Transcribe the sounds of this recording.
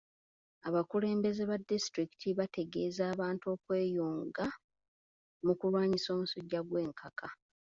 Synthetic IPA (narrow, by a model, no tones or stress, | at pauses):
aβakule̞ːmbe̞ze̞βadːistɾiki̥tʰiβatʰe̞ɡe̞ːzaːβaːntuo̞ːkwe̞ːjoːŋɡa | mukulwaːɲiso̞ːmusuɟːaɡwe̞ːŋkʰakʰa